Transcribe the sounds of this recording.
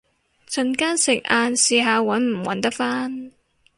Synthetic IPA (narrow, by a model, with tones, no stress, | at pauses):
t͡sɵ˨nkaː˥nsɪ˨k̚ʔaː˧nsiː˨˧ɦaː˨˧wɐ˨˥nm̩˨˩wɐ̰˨˥nt̪ɐ˥k̚faː˥n